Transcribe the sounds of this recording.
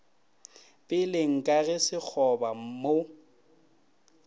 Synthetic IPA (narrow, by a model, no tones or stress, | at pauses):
pʼɪlɪŋ̩kʼaɣɛsɪk͡xʰɔbamo